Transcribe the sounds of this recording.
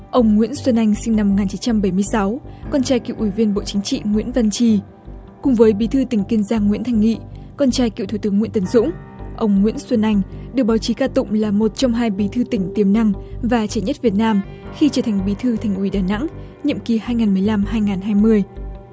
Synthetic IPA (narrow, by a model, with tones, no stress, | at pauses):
ʔə˧wŋ͡mŋwḭ˧˥ənswə˧nʔa˧jŋ̟sï˧ŋ̟na˧m̚ː˨˩ŋaː˨˩nt͡ɕi˨˦nt͡ɕa˧mɓə˧˩jmɨ˧əjsa˨˦wkɔ˧nt͡ɕaː˧jkḭ˧˨wʔwi˧˩vi˧ənɓo̰˧˨t͡ɕï˨˦ŋ̟t͡ɕḭ˧˨ŋwḭ˧˥ənvə˧nt͡ɕi˧ | kʊ˨˩ŋ͡mvəː˨˦jɓi˨˦t̪ʰɨ˧t̪ï˧˩ŋ̟ki˧nzaː˧ŋŋwḭ˧˥ənt̪ʰa˧˩jŋ̟ŋḭ˧˨kɔ˧nt͡ɕaː˧jkḭ˧˨t̪ʰu˧˩t̪ɨ˨˦əŋwḭ˧˥ənt̪ə˧˩ŋzʊ̰˧˥ŋ͡m | ʔə˧wŋ͡mŋwḭ˧˥ənswə˧nʔa˧jŋ̟ɗɨ˨˩k̚ɓaː˨˦wt͡ɕi˨˦kaː˧t̪ʊ̰˧˨ŋ͡mlaː˨˩mo˨˩t̚t͡ɕɔ˧wŋ͡mɦaː˧jɓi˨˦t̪ʰɨ˧t̪ï˧˩ŋ̟t̪i˨˩əmna˧ŋvaː˨˩t͡ɕɛ˧˩ɲə˦˥t̚vi˨˩ət̚naː˧m | xi˧t͡ɕəː˧˩t̪ʰa˨˩jŋ̟ɓi˨˦t̪ʰɨ˧t̪ʰa˨˩jŋ̟ʔi˧˩ɗaː˨˩na̰˧˥ŋ | ɲḭ˧˨mki˨˩haː˧jŋaː˨˩nmɨ˨˩əjla˧mhaː˧jŋaː˨˩nɦaː˧jmɨ˧əj